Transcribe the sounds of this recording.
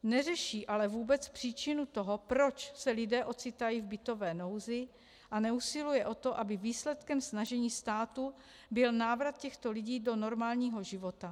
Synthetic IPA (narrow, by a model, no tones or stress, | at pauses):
nɛrɛʃiːʔalɛvuːbɛt͡spr̝̥iːt͡ʃɪnut̪o̞ɦopɾo̞t͡ʃsɛlɪdɛːʔo̞t͡sɪt̪ajiːvbɪt̪o̞vɛːno̞wzɪ | ʔanɛusɪlujɛʔo̞t̪o̞ʔabɪviːslɛt̪kɛmsnaʒɛɲiːst̪aːt̪u | bɪlnaːvɾat̪̚cɛxt̪o̞lɪɟiːdo̞no̞ɾmaːlɲiːɦoʒɪvo̞t̪a